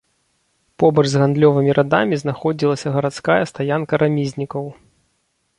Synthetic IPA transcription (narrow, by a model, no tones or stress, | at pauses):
pɔbɐʐzɣand̪lʲɔvɨmʲiɾʔad̪amʲiznaxɔd͡zʲilˠɐsʲɐɣɐɾat̪skajɛst̪ajankɐɾamʲizʲnʲikɐw